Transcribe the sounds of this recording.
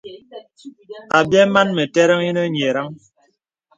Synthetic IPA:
a˨bjɛ˦ma˦nmɛ˨tɛ˦ɾɛ˦ŋi˦nɛ˦ɲ˨e˨ɾa˦ŋ

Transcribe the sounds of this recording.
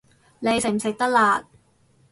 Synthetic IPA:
ne˨˧jsɪ˨ŋ̚m̩˨˩sɪ˨k̚t̪ɐ˥k̚laː˨˧t̪̚

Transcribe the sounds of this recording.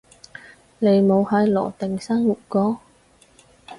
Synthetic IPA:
le˨˩jmo˨˧whaː˨˧jlɔ̰ː˨˩t̪ɪ˨˩ŋsaː˥ŋmu˨˩k͡p̚kɔː˨˧˥

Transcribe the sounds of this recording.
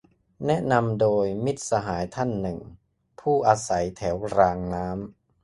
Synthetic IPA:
nɛ˦˥ʔna˧mdoː˧jmi˦˥˩t̪̚sa˧ɦaː˩˦jt̪ʰa˥˩nːɯ˨˩ŋ | pʰuː˥˩ʔaː˧sa˩˦jt̪ʰɛː˩˦wɾaː˧ŋnaː˦˥m

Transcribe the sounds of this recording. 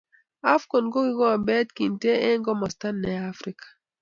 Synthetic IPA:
a˦fko˨nɡo˦ɡi˦ɡɔ˦a˨bɛ˦tki˨nte˦e˦ŋɡɔ˦mɔ˨sta˦nːɛ˨a˦fɾi˦kḁ˨

